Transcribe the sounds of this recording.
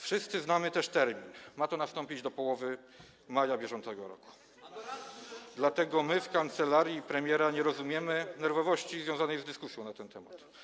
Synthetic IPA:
fʂɘst̪sɘznamɘt̪ɛʂt̪ɛɾmʲinmat̪ɔnast̪ɔmpʲid͡ʑd̪ɔpɔwɔvɘ | majabʲjɛʐɔnt̪sɛɡɔɾɔ̰ku̥ | d̪lat̪ɛɡɔmɘfkant̪sɛlaɾjipɾɛmʲjɛɾaɲɛɾɔzumʲjɛmɘnɛɾvɔvɔɕt͡ɕizvʲjɔ̃wzanɛjzd̪ɘskusʲjɔ̃w̃nat̪ɛnt̪ɛma̰t̪

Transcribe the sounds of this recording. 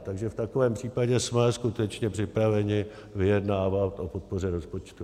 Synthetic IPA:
t̪aɡʒɛft̪akovɛːmpr̥iːpaɟɛsmɛskut̪ɛt͡ʃɲɛpr̥ɪpɾavɛɲɪ | vɪjɛdnaːvat̪ʔo̞po̞t̪̚po̞rɛɾo̞spo̞t͡ʃt̪u

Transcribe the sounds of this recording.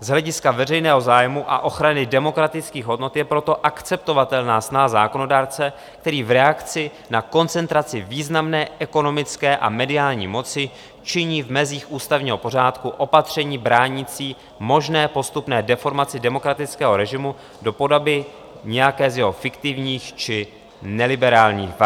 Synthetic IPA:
zɦlɛɟɪskavɛrɛjnɛːɦo̞zaːjmuʔa̰ʔo̞xɾanɪdɛmo̞kɾat̪ɪt͡skiːɣɦo̞dno̞t̪jɛpɾo̞t̪o̞ʔakt͡sɛp̚t̪o̞vat̪ɛlnaːsnaɦazaːko̞no̞daːɾt͡sɛ | k̚t̪ɛɾiːvɾɛakt͡sɪ | nako̞nt͡sɛnt̪ɾat͡sɪviːznamnɛːʔɛko̞no̞mɪt͡skɛːʔa̰mɛdɪaːlɲḭːmo̞t͡sɪ | t͡ʃɪɲiːvmɛziːxʔuːst̪avɲiːɦo̞po̞r̝aːt̪kuʔo̞pat̪r̝̥ɛɲiːbɾaːɲit͡siː | mo̞ʒnɛːpo̞st̪upnɛːdɛfo̞ɾmat͡sɪdɛmo̞kɾat̪ɪt͡skɛːɦo̞ɾɛʒɪmu | do̞po̞dobɪ | ɲɛjakɛːzjɛɦo̞fɪkt̪ɪvɲiːxt͡ʃɪ | nɛlɪbɛɾaːlɲḭːxv

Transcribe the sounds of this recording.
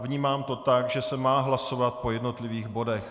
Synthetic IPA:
vɲiːmaːmt̪o̞t̪akʒɛsɛmaːɦlaso̞vat̪̚po̞jɛdno̞t̪lɪviːɣbo̞dɛx

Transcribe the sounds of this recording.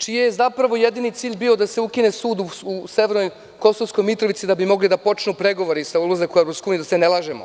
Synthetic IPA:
t͡ʃijejezapɾaʋo̞je̞d̪init̪siːʎʲbio̞d̪aseukine̞suːd̪uuse̞ʋeɾnoj | ko̞so̞ʋsko̞jmit̪ɾo̞ʋit̪sid̪abimo̞ɡlid̪apo̞t͡ʃnupɾe̞ɡo̞ʋoɾisaulozakoeɾopskojunijd̪asene̞lˠaːʒemo̰

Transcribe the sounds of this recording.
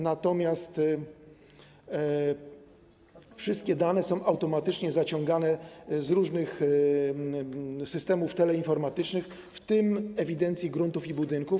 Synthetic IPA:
nat̪ɔmʲjast̪ | fʂɘst̪̚kʲɛd̪anɛsɔ̃w̃ʔawt̪ɔmat̪ɘt͡ʂɲɛzat͡ɕɔ̃ŋɡanɛzɾuʐnɘx | sɘst̪ɛmuft̪ɛlɛinfɔɾmat̪ɘt͡ʂnɘx | ft̪ɘmɛvʲid̪ɛnt̪sʲjiɡɾunt̪ufibud̪ɘŋkuf

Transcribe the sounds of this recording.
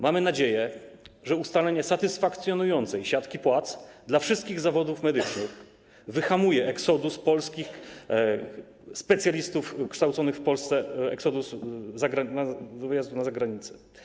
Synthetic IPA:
mamɘnad͡ʑejɛ | ʐɛust̪alɛɲɛsat̪ɘsfakt̪sʲjɔnujɔnt̪sɛjɕat̪kʲipwat̪sd̪lafʂɘst̪kʲiɣzavɔd̪ufmɛd̪ɘt͡ʂnɘx | vɘxamujɛʔɛksɔd̪uspɔlskʲix | spɛt̪sʲjalʲist̪ufkʂt̪awt̪sɔnɘxfpɔlst̪sɛɛ̰ksɔd̪uszaɡɾanavjazd̪unazaɡɾaɲit̪sɛ̥

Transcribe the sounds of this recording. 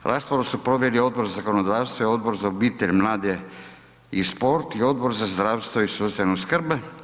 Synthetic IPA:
ɾʔa̰ːspoɾosupɾoʋjelio̞d̪̚boɾzazakonod̪aːst̪vʋoio̞d̪bo̞ɾzaobiːt̪eʎʲmlaːd̪e | ispo̞ɾt̪io̞d̪bo̞ɾzazd̪ɾaːʋst̪voisust̪anoskr̩be

